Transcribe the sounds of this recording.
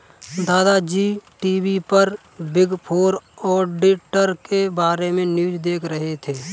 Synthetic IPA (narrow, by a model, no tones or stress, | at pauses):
d̪aːd̪ad͡ʒiːʈiːbipəɾ | bɪɡpʰoːɾɔːɾɖɪʈəɾkebaːɾemẽnjuːd͡ʒd̪eːkʰɾəɦet̪ʰeː